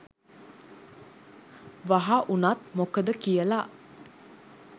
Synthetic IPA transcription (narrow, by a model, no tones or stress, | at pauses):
ʋaɦaʔunat̪mokəd̪əkijəla